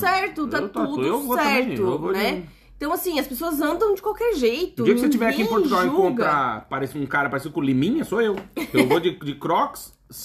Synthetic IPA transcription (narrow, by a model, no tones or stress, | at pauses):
sɛɾt̪ʊat̪uevoɛɾʊevonɛ | ẽt̪ɐ̃w̃asĩɐspesoɐzɐ̃nd̪ɐ̃w̃d͡ʒɪkwawkɛɾʒejt̪ʊiɐkkset͡ʃivɛɾakĩẽpoɾt̪uɡawẽukõnt̪ɾapaɾesũkaɾɐpaɾesiʊkɪʊlimĩɲɐsoewewvod͡ʒɪd͡ʒɪkɾɔks | s